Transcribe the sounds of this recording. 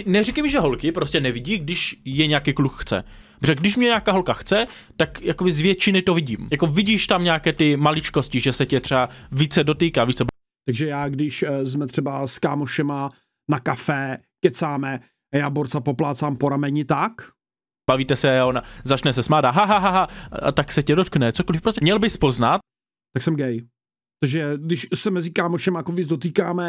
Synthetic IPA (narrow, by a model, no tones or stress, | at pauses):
nɛrikajmɪʒɛɦo̞lkɪpɾo̞scɛnɛvɪɟiːɡdɪʃjɛɲɛakikluxxt͡sɛ̰brɛɡdɪʃmɲɛɲaːkaːɦo̞lkaxt͡sɛ | t̪akjakobɪzvjɛt͡ʃɪnɪt̪o̞vɪɟḭːmjako̞vɪɟiːʃt̪amɲaːkɛːt̪ɪmalɪt͡ʃko̞scɪʒɛsɛcɛt̪r̥ɛaviːt͡sɛdo̞t̪iːkaːviːt͡sɛb | t̪aɡʒɛjaːɡdɪʃzmɛt̪r̝̥ɛbaskaːmoʃɛma | nakafɛ | kɛt͡saːmɛ | jaːboɾt͡sapoplaːt͡saːmpoɾamɛɲɪt̪ak | b̥aviːt̪ɛsɛaonazat͡ʃnɛsɛsmaːdaɦaɦaɦaɦaa̰t̪aksɛcɛdot̪knɛt͡sokolɪfpɾosɛmɲɛlbɪspo̞znat̪ | t̪aksɛmɡɛj | t̪aʒɛɡdɪʃsɛmɛzɪkaːmoʃɛmaakovit͡sdot̪iːkaːmɛ